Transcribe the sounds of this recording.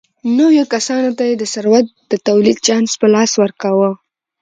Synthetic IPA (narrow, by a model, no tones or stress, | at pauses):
nowjokasɑnot̪ajed̪əsaɾwat̪̚d̪̥ət̪awlid̪̚t͡ʃɑnspəlɑswəɾkawə